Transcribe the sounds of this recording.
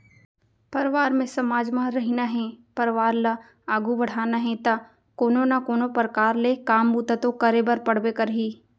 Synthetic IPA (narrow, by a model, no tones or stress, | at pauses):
pɐɾʋaːɾmẽsɐmaːd͡ʒmãɾɐɦinaɦẽpɐɾʋaːɾlɐ | aːɡubɐɽ̤aːnaɦẽt̪ɐ | koːnonakoːnopəɾkaːɾlekaːmbuːt̪at̪okɐɾeːbəɾpɐɽ̤ʋekɐɾɦiː